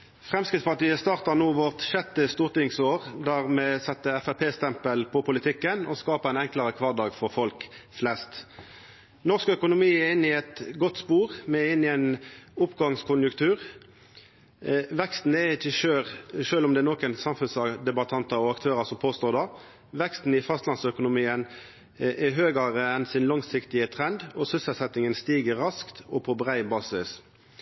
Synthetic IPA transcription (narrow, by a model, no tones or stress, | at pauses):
fʁɛmskɾɪt̪spɑʈ̪iːəst̪ɑːʁt̪ɑnuːʋɔʁt̪ʃɛt̪ːəst̪uːʁt̪ɪŋsoːʁd̪æʁmɛsɛt̪ːəɛfæɾpʰeːst̪ʰɛmpəlpʰɔpʰʊlɪt̪ʰɪkːənɔskɑːpəæɪnɛŋklɑʁəkʰʋɑːʁd̪ɑːɡfɔʁfɔlkflɛst̪ | nɔʁskœkʊnʊmiːæɪnːɪɛt̪ɡɔt̪ːspuːʁmɛɪnːɪɛɪnʊpɡɑŋskʰʊnjʉkt̪ʰʉːʁ | ʋɛkst̪n̩ɛɾɪçːəʃøːlʃøːlɔmd̪ɛɛnɔkənsɑmfʉnsɑd̪ɛbɑt̪ʰɑnt̪ɑɔɑkt̪ʰøːɾɑsɔmpʰoːst̪oːɾd̪ɑ | ʋɛkst̪n̩ɪfɑst̪lɑnsœkʊnʊmiːən | ʔɛɦøːɡɑʁəɛnsɪnlɑŋsɪkt̪ɪət̪ʰʁɛnd̪ɔsʏsəlsɛt̪ɪŋənst̪iːɡəʁːɑskt̪ɔpʰɔbʁæɪbɑːsɪs